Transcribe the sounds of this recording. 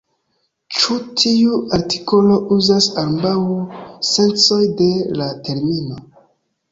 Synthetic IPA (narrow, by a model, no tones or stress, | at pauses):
t͡ʃutʰiuaɾti̥ko̞lo̞ʔuzasambawse̞nt͡so̞jde̞late̞ɾmino̞